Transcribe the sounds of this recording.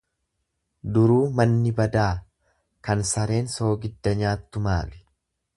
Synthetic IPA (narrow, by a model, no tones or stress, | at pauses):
d̪ʊɾuːmɐnːɪbɐd̪aː | kɐnsɐɾe̞ːnso̞ːɡɪd̪ːɐɲaːt̪ːʊma̰ːlɪ̥